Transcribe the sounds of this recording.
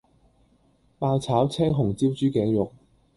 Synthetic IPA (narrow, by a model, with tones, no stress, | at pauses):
paː˧wt͡sʰaː˨˥wt͡sʰɛː˥ŋɦʊ˨˩ŋt͡siː˥wt͡ʃyː˥kɛː˨˥ŋjʊ˨k̚